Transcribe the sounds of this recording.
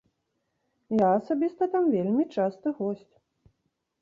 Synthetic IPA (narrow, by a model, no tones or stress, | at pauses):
jaːsabʲist̪ɐt̪amvʲelʲmʲit͡ʂast̪ɐɣɔsʲt͡sʲ